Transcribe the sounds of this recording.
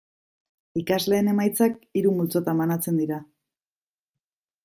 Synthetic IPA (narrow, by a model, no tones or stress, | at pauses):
ikazle̞ːne̞majt͡sakiɾumult͡so̞t̪amanat͡se̞nd̪iɾa